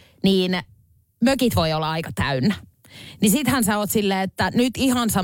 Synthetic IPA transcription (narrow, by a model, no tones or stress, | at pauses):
niːn | møkit̪ʋoiolːɑɑikɑt̪æynːæ | nisit̪hænsæoːt̪silːeːet̪ːænyt̪ihɑnsɑ